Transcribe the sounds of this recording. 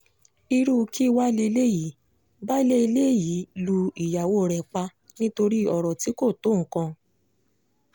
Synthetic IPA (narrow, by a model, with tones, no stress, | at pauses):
i˧ɾu˦˧kʰi˦˧wa˦le˧le˦ji˨˦ | ba˦i˦le˦i˧le˦˨ji˨˦lu˧i˨ja˨wo˦˨ɾɛ˨k͡pa˧ | nĩ˦to˧ɾi˦ɔ˨ɾɔ˨ti˨˦ko˦˨to˨˦˨ŋ̩˨kã˧